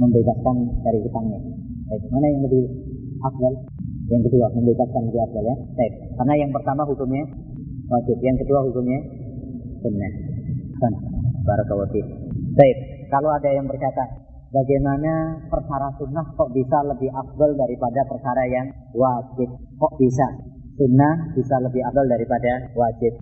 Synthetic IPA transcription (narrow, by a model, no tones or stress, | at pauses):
məmbeɡaskandaɾiɦut̪aŋɲa | t̪aɪk̚manajaŋləbɪh | ak̚wəl | jaŋkəduaməmbeɡaskanliarɡajat̪aɪp̚karnajaŋpərt̪amaɦukʊmɲa | wad͡ʒɪp̚jaŋkəduaɦukʊmɲa | sunnahsanbaɾukəwat̪ɪp̚t̪aɪp̚kaloadajaŋbərt͡ʃat̪a | baɡajmanapərkaɾasunaht̪ɔʔbisaləbɪɦak̚bəldaɾipadapərkaɾajaŋ | wad͡ʒɪp̪̚ | kɔʔb̥isa | sunːahb̥isaləbɪɦabəldaɾipadawad͡ʒɪp̚